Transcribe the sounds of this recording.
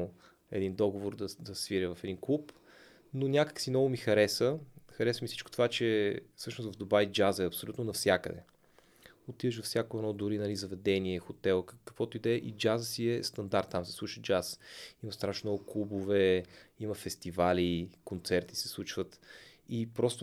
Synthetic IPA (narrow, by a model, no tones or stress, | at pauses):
ɛ̰d̪ind̪ɔɡovoɾd̪əd̪ɐsviɾəvɐfɛd̪inklˠup | nonʲakə̥ksinɔvʊmixɐɾɛsəxɐɾɛsəmifsit͡ʃko̥t̪ovat͡ʃɛfsɤʃnosvɐvd̪obajd͡ʒazəɛɐpsolʲut̪nonɐfsʲjakə̰d̪ɛ̰ | ot̪iðəʃvɐfsʲjakoɛnɔd̪ʊɾinɐlizɐvɛd̪ɛniɛxot̪ɛlˠkkə̥kvɔt̪oid̪ɛʔḭd͡ʒazəsiɛst̪ɐnd̪aɾt̪ːamsɛ̥slˠuʃəd͡ʒasimɐst̪ɾaʃnnɔɡʊklˠubovɛiməfɛst̪ivalikont̪sɛɾt̪i̥sɛ̥slˠut͡ʃvət̪ipɾɔst̪ʊ